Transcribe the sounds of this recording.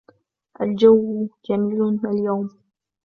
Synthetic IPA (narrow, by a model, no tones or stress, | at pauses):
ʔald͡ʒawːd͡ʒamiːlaljawm